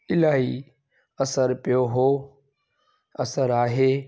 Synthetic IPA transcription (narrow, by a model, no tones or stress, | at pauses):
ɪlaːɦi | ɐsəɾpɪjoɦoː | ɐsəɾaːɦeː